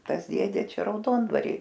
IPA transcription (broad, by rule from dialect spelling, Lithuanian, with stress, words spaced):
ˈtɐs ˈdʲeːdʲeː ˈt͡ʃʲɛ rɐʊˈdoːndʋɐrʲiː